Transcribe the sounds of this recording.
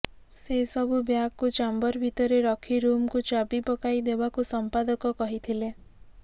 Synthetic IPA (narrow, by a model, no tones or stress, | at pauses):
seɦisɔbʱubjakkut͡ʃambɔɾbʱit̪ɔɾeɾɔkʰiɾumkut͡ʃabipɔkajd̪ebakusɔmpad̪ɔkɔkɔɦit̪ʰile